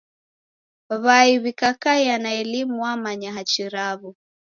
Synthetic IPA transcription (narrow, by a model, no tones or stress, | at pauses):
βaiβikakaianaɛlimuwamaɲaɦat͡ʃiɾaβu